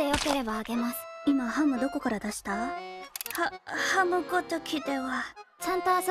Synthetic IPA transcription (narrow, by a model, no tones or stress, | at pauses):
ejo̞ke̞ɾe̞baːɡe̞masɨ̥imaɦamɯ̟d̪o̞ko̞kaɾad̪aɕi̥t̪a | hahamɯ̟ɡot̪okʲid̪e̞βat͡ɕãnt̪o̞as